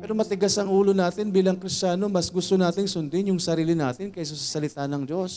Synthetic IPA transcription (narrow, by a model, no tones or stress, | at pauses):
pɛːɾomɐt̪ɪɡasɐŋʔuːlo̞naːt̪ɪnbiːlɐŋkɾɪst͡ʃaːno̞mɐsɡʊst̪onaːt̪ɪŋsʊnd̪ɪnjʊŋsɐɾiːlɪnaːt̪ɪnkɐjs̬ʊsɐsɐlɪt̪anɐŋd͡ʒo̞s